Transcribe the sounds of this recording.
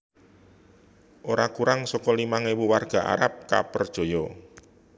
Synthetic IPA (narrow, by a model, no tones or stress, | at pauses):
ʔoɾakuɾaŋsɔkɔlimaŋewuwarɡ̥a̤ʔa̰ɾap̚ka̰pərd̥ʒ̥o̤jɔ